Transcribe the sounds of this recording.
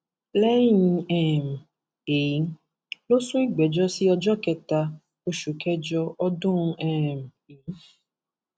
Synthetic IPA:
lɛ˦i˦ɛ˦˨m˨ | e˨i˨˦ | lo˦sũ˦i˦ɡ͡bɛ˨d͡ʒɔ˦si˦ɔ˧d͡ʒɔ˦kɛ˧ta˧ | o˧ʃu˨kɛ˦d͡ʒɔ˧ɔ˦dʊ̃˦˧ɛ˦˨m̩˨ | e˨n̩˦

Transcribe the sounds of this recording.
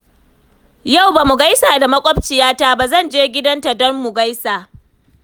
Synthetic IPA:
ja˦˨wba˨mʊ˨ɡa˦jsaː˨da˨mɐ˦kʷʼɔ˦b̚t͡ʃɪ˨jaː˦ta˦ba˨zɐ˦˨nd͡ʒeː˦ɡʲɪ˦dɐ˦nta˨dɔ˦mːʊ˨ɡa˦jsaː˨

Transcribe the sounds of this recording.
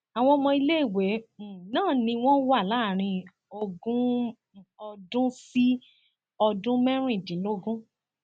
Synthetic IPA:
a˨w̃ɔ̃˧mɔ̃˧i˧le˦i˦˨we˨˦˨nãː˦˨nĩ˧w̃ɔ̃˦wa˦˨la˨˦˨ɾ̃ĩ˧ | o˧ɡũ˦ | ɔ˧dũ˦si˦ | ɔ˧dũ˦mɛ̃˦ɾ̃ĩ˦˨dĩ˨˦lo˦ɡũ˦

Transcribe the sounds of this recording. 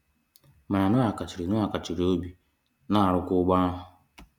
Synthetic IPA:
ma˨ɾa˨nʊ˦a˨ka˨t͡ʃi˨ɾi˨nʊ˦a˨ka˨t͡ʃi˨ɾo˦bi˨ | na˦˨ɾʊ˦kʊ˦ɡ͡ba˦ʊ˨

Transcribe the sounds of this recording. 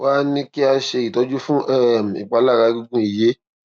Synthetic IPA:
wa˦nĩ˦ki˦a˧ʃe˧˨i˨tɔ˨˧d͡ʒu˦fũ˦ʔɛ˦˨m̩˨ḭ˨k͡pa˧la˦˨ɾa˨˧˦ɡu˧ɡũ˦i˨je˦

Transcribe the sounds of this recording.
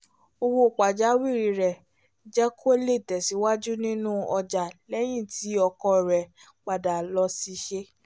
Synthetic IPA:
o˧wo˧˨k͡pa˨d͡ʒa˨˦wi˦˨ɾi˨˧˨ɾɛ˨ | d͡ʒɛ˦kʰo˦le˦˨tɛ˨si˨˦wa˦d͡ʒu˦nĩ˦nũ˦ɔ˧d͡ʒa˨lɛ˦j̃ĩ˦˨ti˨˦ɔ˧kɔ˧˨ɾɛ˨ | k͡pa˨da˨lɔ˧˦si˧ʃe˦

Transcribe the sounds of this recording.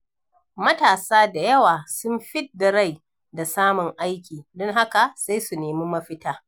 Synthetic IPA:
mɐ˦taː˨saː˦da˨jɐ˦waː˨sʊ˦mɸɪ˦dːa˨ɾa˦˨j | da˨saː˦mʊ˨ŋʔa˦jkʲiː˨dɔ˦ŋɦa˦ka˨sa˦jsu˨neː˨miː˦mɐ˦ɸɪ˦taː˦

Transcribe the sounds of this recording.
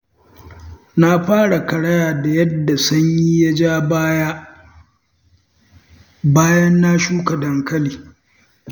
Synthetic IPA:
na˦ɸaː˦ɽa˨kɐ˨ɽɐ˦jaː˨da˨jɐ˦dːa˨sɐ˦ɲji˦ja˦d͡ʒaː˦bja˦ | baː˦jɐ˦nːa˦ʃuː˦ka˨dɐ˨ŋkɐ˦liː˨

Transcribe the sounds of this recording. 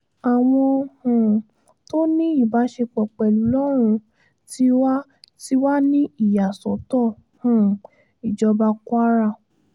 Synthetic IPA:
a˨w̃ɔ̃˧hũ˨ | to˦nĩ˦i˦˨ba˨˦ʃe˧k͡pɔ˨k͡pɛ˨lu˨˦lɔ˦ɾ̃ũ˧ | ti˦wa˦ti˦wa˦nĩ˦i˦˨ja˨sɔ˨˦tɔ˦˨ | hũ˨ | i˨d͡ʒɔ˧ba˧ku˦a˦ɾa˦˧˨

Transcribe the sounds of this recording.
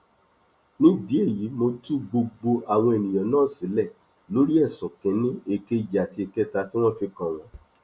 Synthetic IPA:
nũ˦˨di˨˦e˦˨ji˨˦mo˧tu˦ɡ͡bo˧ɡ͡bo˧a˨w̃ɔ̃˧e˨nĩ˨j̃ɔ̃˨nãː˦˨si˨˦lɛ˦˨ | lo˨˦ɾi˦ɛ˦˨sɔ̃˨kɛ̃˨˦nĩ˦e˦˧˨ke˦d͡ʒa˨ti˧e˧˨kɛ˦ta˧ti˦w̃ɔ̃˦fi˧kã˨w̃ɔ̃˨˦

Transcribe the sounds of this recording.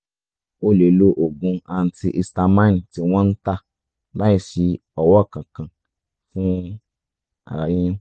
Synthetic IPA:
o˦˨le˨lo˦ʔo˨ɡũ˧˦a˧n̩˦ti˧ʔi˧sta˧mã˦n˨ti˧w̃ɔ̃˦n̩˦ta˦˨ | la˦i˦˨ʃi˧ | ɔ˨wɔ˦˨kã˨kã˨ | fũ˦ | a̰˨ɾa˨ji˦ũ˦

